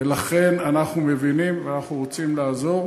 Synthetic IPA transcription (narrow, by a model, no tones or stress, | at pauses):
elaχe̞nanaχnume̞vinimveanaχnuʁo̞t͡simlaːzo̞ʁ